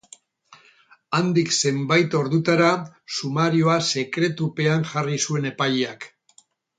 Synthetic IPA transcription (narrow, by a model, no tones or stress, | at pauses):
and̪ikse̞mbajt̪o̞ɾðut̪aɾasumaɾioase̞kɾe̞t̪upe̞aŋʝarisue̞ne̞pajeak